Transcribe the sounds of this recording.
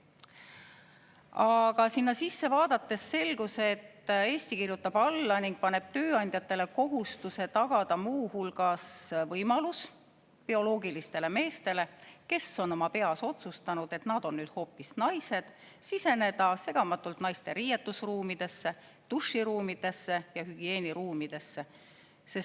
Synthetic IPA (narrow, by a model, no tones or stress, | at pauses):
ɑɡ̥ɑsinːɑsisːe̞vɑːd̪̥ɑt̪ːˑe̞sːe̞lɡ̥use̞t̪ːe̞ːsʲt̪ikirjut̪ːˑɑb̥ɑlːɑniŋɡ̥̚pɑne̞b̥̚t̪ø̞ːɑnʲd̪̥ʲjɑt̪ːˑe̞le̞ko̞ɦust̪use̞t̪ɑɡ̥ɑd̪̥ɑmuːhulɡ̥ɑsvɤjmɑlus | pio̞lo̞ːɡilist̪e̞le̞me̞ːst̪e̞le̞ke̞sːo̞no̞mɑpe̞ɑso̞t̪sust̪ɑnud̪̥e̞t̪nɑd̪̥o̞nnyːd̪̥ho̞ːpːˑisnɑjse̞d̪̥ | sise̞ne̞d̪ɑse̞ɡ̥ɑmɑt̪ːˑult̪nɑjst̪e̞ɾiːjet̪ːusruːmid̪̥e̞sːe̞ | t̪uʂːiɾuːmid̪̥e̞sːe̞jɑhyɡ̥ie̞ːniɾuːmid̪̥e̞sːe̞ | se̞s